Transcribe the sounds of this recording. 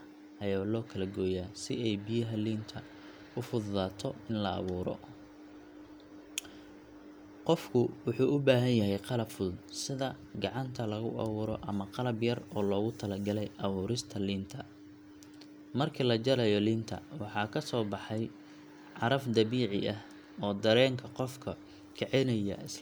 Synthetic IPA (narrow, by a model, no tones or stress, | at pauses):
ʔɐjaːlɔːkʰɐlɐɡɔːjaːsɪɛjbijɐɦɐliːnt̪ʰɐ | ʊfʊððaːt̪ʰɔɪnlɐɑ̰βuːɾɔ̰ | qɔfkʰʊwʊħuːʔʊbaːɦɐnjɐɦɛjqɑlɐbfʊðsɪðɐɡɑʕɑnt̪ʰɐlɐɣʊ̰ʔɑ̰βuːɾɔʔɐmɐqɑlɐbjɐrɔːlɔːɣʊt̪ʰɐlɐɡɐlɛjʔɐβuːɾɪst̪ʰɐliːnt̪ʰɐ | mɐrkʰilɐd͡ʒɐɾɐjɔliːnt̪ʰɐ̰wɑħɑːkʰɐsɔːbɑħɑj | ʕɑɾɐfd̪ɐβiːʕɪʔɐh | ɔːd̪ɐɾɛːŋkʰɐqɔfkʰɐ | kʰɛʕɛnɐjɐ̰ʔɪs